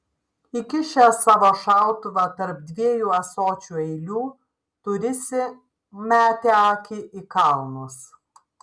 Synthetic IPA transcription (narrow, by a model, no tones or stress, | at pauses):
ɪkʲɪʃʲɛsɑːʋoːʃɑˑʊt̪ʊʋɑt̪ɐɾp̚d̪ʲʋʲiɛjuːɐsoːt͡ʃʲuːɛɪlʲuː | t̪ʊɾʲɪsʲɪ | mʲæːt̪ʲeːɑːkʲɪʔɪkɑˑlˠnʊs